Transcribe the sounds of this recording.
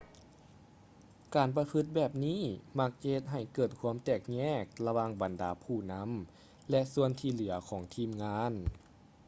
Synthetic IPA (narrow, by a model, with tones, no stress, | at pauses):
kaː˨˩npa˧pʰɯ˧˥t̪̚bɛː˨˩p̚niː˥˨ma˧˥k̚t͡ɕe˧˥t̪̚ɦa˨˩jkɤː˨˩t̪̚kʰu˧˥əmt̪ɛː˨˩k̚ɲɛː˧˥˩k̚la˧waː˧˩ŋba˨˩ndaː˨˦pʰuː˧˩na˧˥m | lɛ˧su˧ənt̪ʰiː˧˩lɯ˩˦ɐkʰɔː˨˩˦ŋt̪ʰiː˧˩mŋaː˧˥n